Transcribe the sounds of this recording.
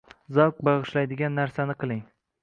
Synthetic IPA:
zɒwk̚bɑʁɨʃlajd̪ɪɡʲanːaɾsanɪqʰɨlˠɪŋ

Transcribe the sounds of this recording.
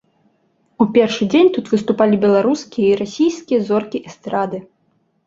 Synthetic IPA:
upʲɛrʂɨd͡zʲenʲt̪ut̪vɨst̪upalʲibʲɛlˠaɾuskʲijɐiɾasʲijskʲijɐzɔrkʲiʔɛst̪ɾad̪ɨ

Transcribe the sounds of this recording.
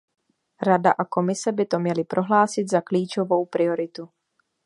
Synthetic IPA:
ɾadaʔako̞mɪsɛbɪt̪o̞mɲɛlɪpɾʔo̞ɦlaːsɪt̪zakliːt͡ʃovo̞wpɾɪo̞ɾɪt̪u

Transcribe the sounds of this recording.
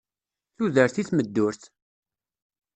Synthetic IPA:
θuðəɾθiθməd̪ːʊɾθ

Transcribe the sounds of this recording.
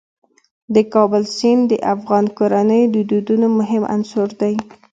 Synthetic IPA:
d̪əkɑbəlsind̪əʔafɣɑnkoɾanəjod̪əd̪ud̪unomʊɦɪmʔa̰nsʊɾd̪aj

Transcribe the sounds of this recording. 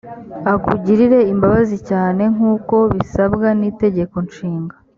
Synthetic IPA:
akuɟiɾiɾe̞imbaβazicaːne̞ŋ̥uːko̞βisabɡanite̞ɟe̞ko̞nʃiːŋɡa

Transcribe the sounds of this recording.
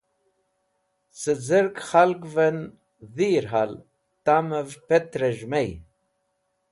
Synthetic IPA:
səd͡zəɾkχalkvən | ðiːɾɦal | t̪aməvpet̪ɾəʒmej

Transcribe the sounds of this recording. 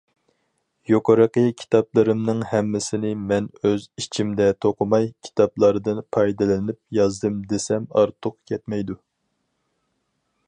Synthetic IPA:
jokʰoɾɨqəkʲʰi̥t̪ʰɑplˠɨɾɨmnɨŋhɛmːɪsɪnɪmɛnøzit͡ʃʰimd̪ɛt̪ʰoqʰʊmɑjkʲʰi̥t̪ʰɑplˠɑɾd̪ɨnpʰɑjd̪ɨlɪnɪp̚jɑzd̪ɨmd̪esɛmɑ̰ɾt̪ʰʊq̚kʲʰɛt̪mɛjd̪u

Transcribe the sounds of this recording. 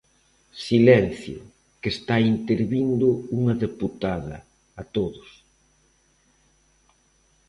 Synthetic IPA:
silɛn̟θjʊ̰ | kest̪aint̪eɾβind̪ʊuŋɐðeput̪aðɐ̰ː | t̪oðʊs

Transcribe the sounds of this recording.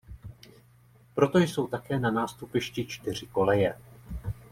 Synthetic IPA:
pɾo̞t̪o̞jso̞wt̪akɛːnanaːst̪upɪʃcɪt͡ʃt̪ɪr̝ɪko̞lɛjɛ

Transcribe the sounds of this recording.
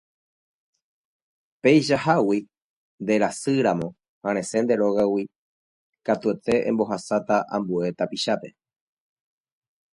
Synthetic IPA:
pe̞jʃahawi | nd̪e̞ɾasɨɾamõ̞ | hãɾ̃ẽ̞se̞nd̪e̞ɾo̞ɣawi | kat̪uet̪e̞ʔḛ̃mbo̞ɦasat̪aʔã̰mbue̞t̪apiʃape̞

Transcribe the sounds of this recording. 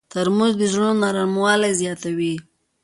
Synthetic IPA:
t̪əɾmuzd̪əʒonaɾamwɑlazjɑt̪awi

